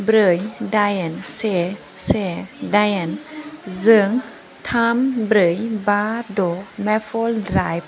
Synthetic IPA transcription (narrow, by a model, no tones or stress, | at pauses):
bɾɯjdajɛnse | sedajɛnzɯəŋ | t̪ʰaːmbɾɯjbaːdomɛfoldɾajp̚